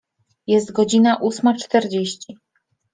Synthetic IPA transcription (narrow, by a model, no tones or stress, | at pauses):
jɛst̪ɡɔd͡ʑinaʔusmat͡ʂt̪ɛɾd͡ʑeɕt͡ɕi